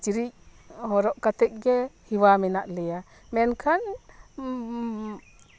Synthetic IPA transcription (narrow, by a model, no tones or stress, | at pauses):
t͡ʃiɾichɔɾɔʔkat̪ɛk̚ɡɛhiwamɛnaʔlɛa | mɛnkʰan